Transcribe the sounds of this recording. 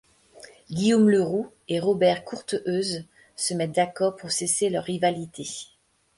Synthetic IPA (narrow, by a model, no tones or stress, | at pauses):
ɡʲiomləʁu | eʁɔbɛʁkʰuʁt̪ʔøz | səmɛt̪̚d̪akɔʁpuʁseselœʁːivalit̪e